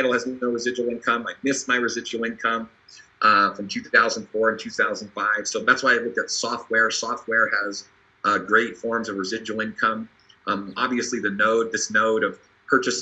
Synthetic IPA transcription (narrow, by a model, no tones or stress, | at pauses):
aɪɾl̩ˠɨznnoʊɹɨzɪd͡ʒul̩ˠɪ̃nkʰʌ̃maɪmɪsmaɪɹɨzɪd͡ʒuwl̩ˠɪ̃nkʰʌ̃m | ʔʌfɹʌ̃mtʰʉθaʊz̃n̩d̥fɔɹɨ̃ntʰʉθaʊzn̩d̥faɪv̥soʊðætswaɪaɪlʊk̚ɨtsɔft̚wɛɹsɔft̚wɛɹɨz | ʔɡɹeɪtfɔɹmzʌvɹɨzɪd͡ʒuwl̩ˠɪ̃nkʰʌ̃m | ʔʌɑ̰bviɨsliðɨnoʊd̪̚ðɪsnoʊɾʌv̥ | pʰɜ˞t͡ʃɨs